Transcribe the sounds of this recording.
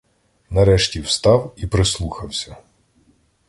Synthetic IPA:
nɐɾɛʃtʲiwst̪ɑwipɾeslˠuxɐwsʲɐ

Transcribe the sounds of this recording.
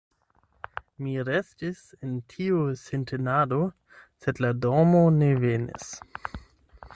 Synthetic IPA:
miɾestis | entʰiusentʰenado | sedladomonevenḭs

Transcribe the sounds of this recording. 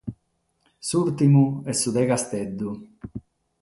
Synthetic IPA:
suɾt̪imuɛsːud̪ɛkast̪ɛd̪ːu

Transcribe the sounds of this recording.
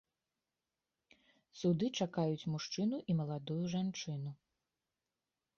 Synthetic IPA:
sud̪ɨt͡ʂakajut͡sʲmuʂt͡ʂɨnuʔimɐlˠad̪ujuʐant͡ʂɨnu

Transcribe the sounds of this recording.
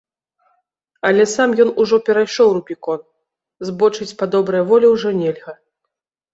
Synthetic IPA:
ɐlʲɛsamjɔnuʐɔpʲɛɾajʂɔwɾupʲikɔn | zbɔt͡ʂɨt͡sʲpad̪ɔbɾɐjɐvɔlʲɛwʐɔnʲɛlʲɣɐ

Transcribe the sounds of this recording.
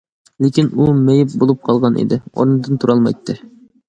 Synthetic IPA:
lekʲinumejɪp̚bolˠup̚qʰɑlˠʁɑnʔḭd̪ɪo̰ɾnɨd̪ɨnt̪ʰuɾɑlˠmɑ̰jt̪ʰːɨ

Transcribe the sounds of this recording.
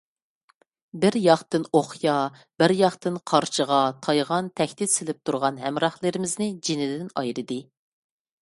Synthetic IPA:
bɪɾjɑχt̪ɨnoχjɑ | b̥ɪɾjɑχt̪ɨnqʰɑɾt͡ʃʰəʁɑt̪ʰɑjʁɑnt̪ʰɛxʲt̪ɪt̪sɪlɪp̚t̪ʰuɾʁɑnɦɛmɾɑχlˠɨɾɪmɪznɪd͡ʒinɪd̪ɪnɑ̰jɾɨd̪ɨ

